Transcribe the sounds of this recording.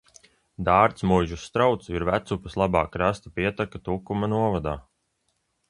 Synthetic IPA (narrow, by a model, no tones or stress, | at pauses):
d̪aːɾt̪smujʒusːt̪ɾawt̪suiɾvæt̪supaslˠabaːkːɾast̪apiɛt̪akat̪ukumanuɔvad̪aː